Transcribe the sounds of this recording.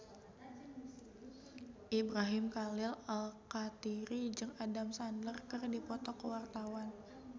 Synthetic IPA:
ʔibɾaɦɪmkalɪlalkat̪iɾid͡ʒɨŋadamsandərkərdipɔt̪ɔkəwart̪awan

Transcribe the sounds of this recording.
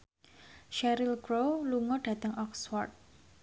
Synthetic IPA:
ʃɛɾilkɾoluŋɔɖ̥ä̤t̪əŋʔɔksfɔrt̪̚

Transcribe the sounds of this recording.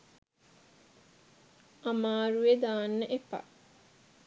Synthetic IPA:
amaːɾued̪aːnːəʔepa̰

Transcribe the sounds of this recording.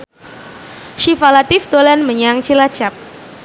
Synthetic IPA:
ʃifalat̪ifd̪olɛnməɲaŋt͡ʃilat͡ʃap̚

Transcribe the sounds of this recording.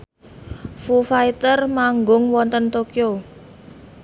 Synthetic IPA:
fufait̪ərmaŋɡʊŋwɔnt̪ənt̪okio

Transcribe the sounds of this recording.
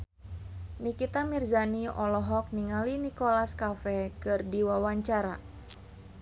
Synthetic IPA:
nikit̪amirzaniɔlɔɦɔk̚niŋalinikolaskafɛkɨrdiwawaɲt͡ʃaɾa

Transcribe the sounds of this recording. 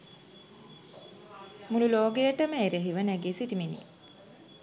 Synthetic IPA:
mululoːɡejəʈəməeɾeɦiʋənæɡeːsiʈiminḭ

